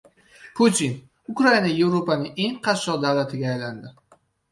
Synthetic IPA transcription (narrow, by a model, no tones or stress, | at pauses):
pʰut̪ʰin | ʊkɾainaje̞vɾopanɪŋe̞ŋqʰɑʃɒqd̪avlat̪ʰɪɡʲaːjland̪ɪ